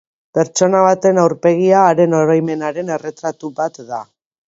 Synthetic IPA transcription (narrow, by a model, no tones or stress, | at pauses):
pe̞ɾt͡ʃo̞naβ̞at̪e̞nawɾpe̞ɣiaːɾe̞no̞ɾojme̞naɾe̞ne̞re̞t̪ɾat̪uβat̪d̪a